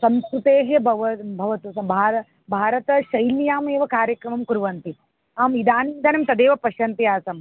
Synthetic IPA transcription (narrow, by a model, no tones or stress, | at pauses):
sɐmskɾut̪eːɦjɐbʱɐʋɐbʱɐʋɐt̪usɐmbʱaːɾɐ | bʱaːɾɐt̪ɐʃɐjlijaːmeːʋɐkaːɾjɐkɾɐmɐmkuɾʋɐnt̪i | aːmid̪aːnind̪ɐnɐmt̪ɐd̪eːʋɐpɐʃɐnt̪ɐjaːsɐm